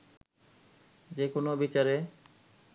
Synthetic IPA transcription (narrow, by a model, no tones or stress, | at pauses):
d͡ʑekonobit͡ɕaɾe